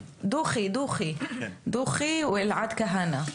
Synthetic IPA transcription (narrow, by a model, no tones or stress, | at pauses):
d̪uːxid̪uːxid̪uːxiwɪlʕad̪kaɦana